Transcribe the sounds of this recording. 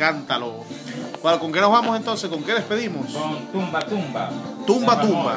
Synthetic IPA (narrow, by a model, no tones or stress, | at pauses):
ant̪alo | kwalokoŋkenoβamosent̪o̞nseskoŋkeðespeðimost̪umbat̪umbat̪umbat̪umba̰